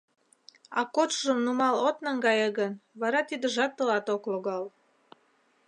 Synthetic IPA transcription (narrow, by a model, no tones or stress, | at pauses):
ɑkot̪ʒəmnumɑlot̪nəŋɡɑjəɣənβɑɾɑt̪id̪əʒɑt̪ːəlɑt̪okloɣɑl